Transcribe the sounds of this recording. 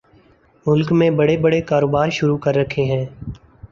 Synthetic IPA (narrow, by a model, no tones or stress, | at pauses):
mʊlkmẽbəɽebəɽekaːɾoːbaːɾʃʊɾuːkəɾːəkʰeːɦɛ̃ː